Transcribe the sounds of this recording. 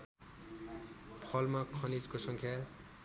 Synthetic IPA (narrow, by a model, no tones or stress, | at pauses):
pʰʌlmakʰʌnid͡zkosʌŋkʰja